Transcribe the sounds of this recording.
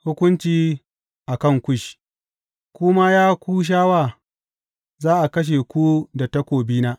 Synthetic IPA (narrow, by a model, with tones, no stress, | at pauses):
hʊ˦kʷʊ˦nt͡ʃiː˨ | ʔa˨kɐ˦˨ŋkʷʊ˦˨ʃ | kʷʊ˦ma˦jaː˦kʷuː˦ʃ̬aː˦waː˦˨ | zaː˦ʔa˨kɐ˦ʃ̬e˨kʷu˦da˨tɐ˦kʷoː˨biː˦naː˦